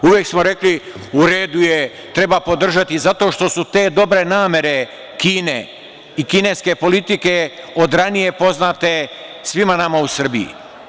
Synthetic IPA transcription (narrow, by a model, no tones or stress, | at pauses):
uʋjeksmo̞ɾe̞kli | uɾe̞ːd̪uje | t̪ɾe̞bapo̞d̪r̩ʒat̪izat̪o̞ʃt̪o̞sut̪e̞ːd̪o̞bɾe̞naːme̞ɾe̞ | kiːnḛ | ikine̞ske̞po̞lit̪ike̞o̞d̪ɾanije̞po̞znaːt̪e̞sʋimanamausr̩biḭ